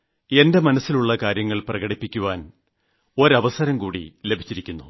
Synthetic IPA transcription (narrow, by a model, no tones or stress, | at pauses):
e̞nde̞mɐnɐsːiluɭːɐkaːɾjɐŋːɐɭprɐɣɐɽipːikʲːuʋaːn | o̞ɾɐʋɐsɐɾɐmkuːɽḭle̞bʱi̥t͡ɕːiɾikʲːunːu